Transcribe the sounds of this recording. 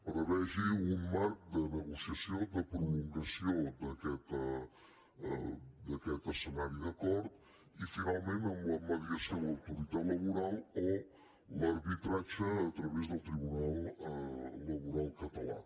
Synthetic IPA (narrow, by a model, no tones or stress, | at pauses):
pəɾəβɛʒiummaɾk̚d̪ənəɣusiəsjod̪əpɾuluŋkəsiod̪əkɛt̪ə | d̪əkɛt̪əsənaɾiðəkɔɾt̪ | ifinalˠmẽnt̪əmbləməðiəsioləwt̪uɾit̪aləβuɾalˠo | ləɾβit̪ɾat͡ʃəːt̪ɾəβezd̪əlˠt̪ɾiβunalˠː | əβuɾalˠkət̪əla̰